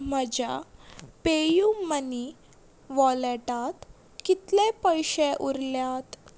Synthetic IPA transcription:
m̤əd͡ʑapejuməni | ʋɔleʈat̪ | kit̪lepəjɕeʔuɾljat̪

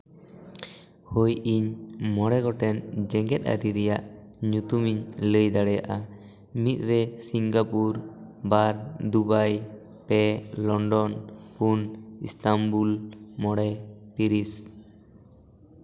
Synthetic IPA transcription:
hujiɲmɔɽɛɡɔʈɛnd͡ʒɛŋɡɛt̪̚ˀa̰ɾiɾɛjaʔɲut̪umiɲləjd̪aɽɛja̰ʔa | mit̪̚ˀɾɛsiŋɡapuɾbaɾd̪ubaj | pɛlɔɳɖɔnpunḭst̪ambulmɔɽɛpiɾis

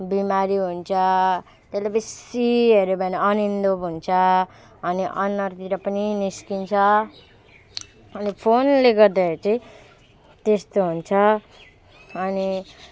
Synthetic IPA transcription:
bimaɾiɦunt͡sʰʌ | t̪eslajpʌsiɦeɾebaneʌnind̪obʱunt͡sʰʌː | niʔʌnːʌɾt̪iɾʌpʌniniskint͡sʰʌ | ʌnipʰonleɡʌɾd̪at͡sʌĩ | t̪est̪oɦunt͡sʰʌ | ni

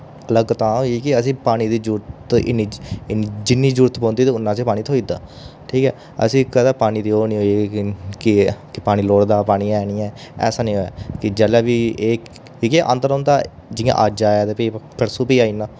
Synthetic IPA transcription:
ələɡt̪ãːɦoːikɪəs̬ĩːpaːñiːd̪iːd͡ʒuːɾt̪ɪ̰nːiːɪnid͡ʒɪnːiːd͡ʒuːɾt̪pɔ̃ːnd̪iːt̪eːʊnːãːseːpaːniːt̪ʰoːiːd̪a̰ːʈʰiːkɛ̰ː | ə̰sĩːkəd̪aːpaːɽ̃iːd̪iːoːnĩːɦoːikɪkɪpaːɽ̃iːloːɽd̪aːpaːɽ̃iːɛːniːɛ̃ːɛ̰ːsaːnĩːɦoːja̰ːkɪd͡ʒɛːlɛːʋiːeː | ikeʔə̰̃nt̪əɾõːnd̪aː | d͡ʒɪjã̰ːʔaːd͡ʒaːaːt̪epiːpʰəɾsuːpiːaːiːnãː

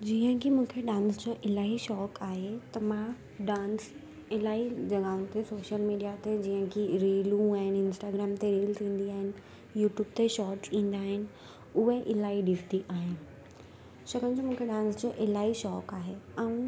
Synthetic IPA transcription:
d͡ʑiːɦə̃kʰimũːkʰeɗãːnsd͡ʑoːʔɪlaːiʃɔːkaːɦet̪ɐmã | ɖãːns | ɪlaːid͡ʑɐɠaːʊ̃t̪ʰesoːʃəlmiːɖijat̪ed͡ʑiɦə̃kʰiɾeːlũaːɦɪnɪɪnsʈaːɡɾaːmt̪eɾiːlt̪ʰĩːn̆d̪iaːɦɪnɪ̆ | juːʈjuːb̚t̪eʃɔːʈsĩːn̆d̪aːɦɪnɪ̆ | ʊɦeʔɪlaːiɗɪst̪iʔaːɦɪnɪ̆ | ʃɐɡənd͡ʑomũːkʰeɗãːnsd͡ʑoːʔɪlaːɦiʃɔːkaːɦeãũ

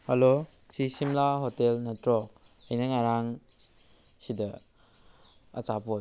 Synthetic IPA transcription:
halo | sisimlaɦotelnatɾɔk̚əjnaŋaɾaŋ | sidɐ | a̰t͡ʃapoj

